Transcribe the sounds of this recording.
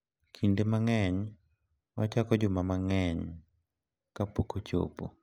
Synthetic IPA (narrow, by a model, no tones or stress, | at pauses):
kʰindemaŋɛɲ | mat͡ʃakɔd͡ʒʊmamaŋɛɲ | kapokot͡ʃo̰po̰